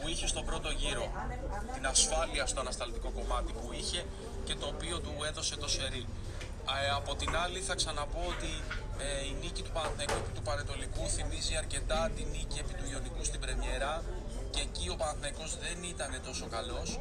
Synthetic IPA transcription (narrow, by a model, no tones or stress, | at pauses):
puiçe̞st̪o̞pɾo̞t̪o̞ʝiɾo̞t̪inɐsfɐliɐst̪oɐnɐst̪ɐlt̪iko̞ko̞mɐt̪ipuiçe̞ | ce̞t̪o̞ːpio̞t̪ue̞ðo̞se̞t̪o̞se̞ɾi | ɐpo̞t̪inɐliθɐksɐnɐpo̞ot̪i | einicit̪upɐnθekupit̪upɐnet̪o̞likuθimiziɐɾce̞t̪ɐt̪inicie̞pit̪uio̞nikust̪ibɾe̞mɲe̞ɾɐceːcio̞pɐnθneko̞zðe̞nit̪ɐne̞t̪o̞so̞kɐlo̞s